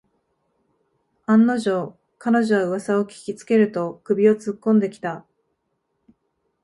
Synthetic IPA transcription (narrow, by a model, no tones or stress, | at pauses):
ãnːo̞ʑo̞ | kano̞ʑo̞βaɯ̟βasao̞kʲi̥kʲit͡sɨ̥ke̞ɾɯ̟t̪o̞kɯ̟bʲio̞t͡sɨkːõ̞nd̪e̞kʲi̥t̪a